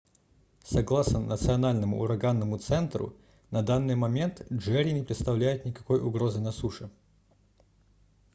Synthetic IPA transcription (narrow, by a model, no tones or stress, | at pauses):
sɐɡlˠasnənʔə̰t̪sɨɐnalʲnəmʊ̰ʊ̰ɾɐɡanːəmʊt̪sɛnt̪ɾʊ̰ | nɐd̪anːɨjmɐmʲe̞nt̪ʐɛɾʲɪnʲɪpɾʲɪt̪st̪ɐvlʲæjʊt̪nʲɪkɐ̥ko̞jʊɡɾo̞zɨnɐsuʂɨ